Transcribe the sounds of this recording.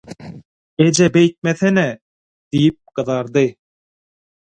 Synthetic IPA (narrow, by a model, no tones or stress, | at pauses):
ed͡ʒæbæjt̪̚mæθænæ | d̪̥ijɪp̚qɤ̆ðɑɾd̪ɤ